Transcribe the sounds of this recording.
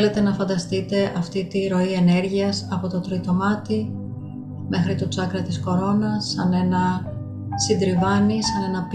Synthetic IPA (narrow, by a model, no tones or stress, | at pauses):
le̞t̪e̞nɐfɐnd̪ɐst̪it̪e̞ʔɐft̪it̪iɾo̞ie̞ne̞ɾʝiɐsɐpo̞t̪o̞t̪ɾit̪o̞mɐt̪i | me̞xɾit̪ot͡sɐkɾɐt̪isko̞ɾo̞nɐsːɐne̞nɐ | sind̪ɾivɐnisɐne̞nɐp